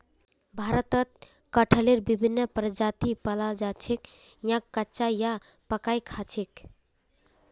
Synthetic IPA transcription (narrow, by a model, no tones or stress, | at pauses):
bʱaɾət̪ət̪̚ | kəʈʰəleɾbibʱinːəpɾəd͡ʒat̪ipəlad͡ʒat͡ʃʰek | jãkːətːt͡ʃaja | pəkajkʰat͡ʃʰek